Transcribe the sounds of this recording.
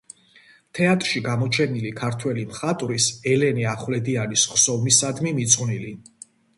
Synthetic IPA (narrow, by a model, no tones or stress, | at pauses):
t̪ʰɛat̪ʼɾʃiɡamɔt͡ʃʰɛnilikʰaɾt̪ʰwɛlimχat̪ʼɾisɛlɛniaχvlɛd̪ianisχsɔvmisad̪mimit̪sʼqʼwnili